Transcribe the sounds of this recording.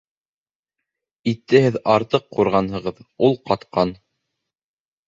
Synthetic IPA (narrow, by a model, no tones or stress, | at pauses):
it̪ːɘhɘðɑɾt̪ɤqːuɾʁɑnɦɤ̆ʁɤðulˠqɑt̪qɑn